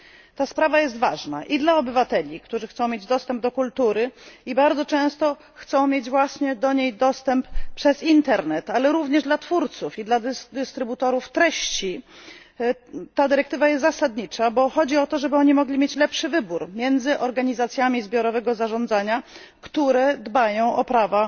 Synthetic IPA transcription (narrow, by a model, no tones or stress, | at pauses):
t̪aspɾavajɛs̬t̪va̰ʐna̰ʔid̪laɔbɘvat̪ɛlʲikt̪uʐɘxt̪sɔ̃w̃mjed͡ʑd̪ɔst̪ɛmb̚d̪ɔkult̪uɾɘibaɾd̪zɔt͡ʂɛ̃w̃st̪ɔ | xt̪sɔ̃w̃mʲjed͡ʑvwaɕɲɛd̪ɔɲejd̪ɔst̪ɛmppʂɛzint̪ɛɾnɛt̪alɛɾuvɲɛʐd̪lat̪fuɾt̪sufid̪lad̪d̪ɘst̪ɾɘbut̪ɔɾuft̪ɾɛɕt͡ɕi | t̪ad̪ɘɾɛk̚t̪ɘvajɛst̪zasad̪ɲit͡ʂabɔxɔd͡ʑiɔt̪ɔʐɛbɘɔɲimɔɡlʲimʲjet͡ɕlɛpʂɘvɘbuɾmʲjɛnd̪zɘʔɔɾɡaɲizat̪sʲjamʲizbʲjɔɾɔvɛɡɔzaʐɔ̃nd̪zaɲa | kt̪uɾɛd̪bajɔ̃w̃ɔpɾava